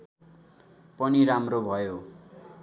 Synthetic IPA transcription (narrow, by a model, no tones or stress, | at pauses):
pʌniɾamrobʱʌjo